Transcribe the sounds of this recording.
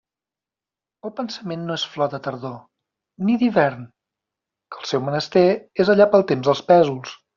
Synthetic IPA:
əlˠpənsəmenːoesflɔət̪əɾðo | niðiβɛɾn | kəlˠsɛwmənəst̪ɛezəʎapəlˠt̪emzðəlˠspɛzulˠs

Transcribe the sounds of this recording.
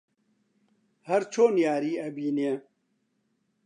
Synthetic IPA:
hɐɾt͡ʃʰoːnjaːɾiːɐbiːne

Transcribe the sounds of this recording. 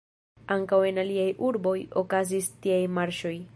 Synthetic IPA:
aŋkawe̞naliajʔuɾbo̞jokazistiajmaɾʃo̞j

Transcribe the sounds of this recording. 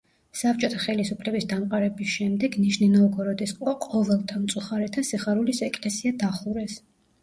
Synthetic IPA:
sap̚ʰt͡ʃʼɔt̪ʰaχɛlisupʰlɛbisd̪amqʼaɾɛbisʃɛmd̪ɛɡniʃninɔːɡɔɾɔd̪isqʼɔqʼɔvɛlˠt̪ʰamt̪sʼuχaɾɛt̪ʰasiχaɾulisɛkʼlɛsiad̪aχuɾɛs

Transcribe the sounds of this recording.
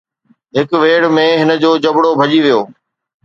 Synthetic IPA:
ɦɪkʋeːɽmẽɦɪnə̆d͡ʑoːd͡ʑɐbɽobʱɐʄiʋijoː

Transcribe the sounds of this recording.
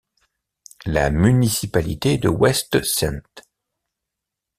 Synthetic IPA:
la̰mynisipalit̪ed̪əwɛst̪sɛ̰̃nt̪

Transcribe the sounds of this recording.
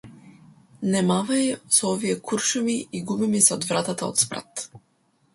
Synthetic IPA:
nɛmavajsɔɔvijɛkʰuɾʃɛmiiɡubimisɛɔd̪vɾat̪at̪ao̰t̪spɾa̰t̪

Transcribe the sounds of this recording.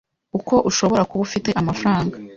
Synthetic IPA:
uko̞ʔuʃo̞βo̞ɾakuβufite̞ʔamafɾaːŋɡa

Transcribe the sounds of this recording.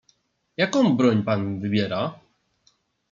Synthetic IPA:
jakɔ̃w̃bɾɔɲpanvɘbʲjɛɾa

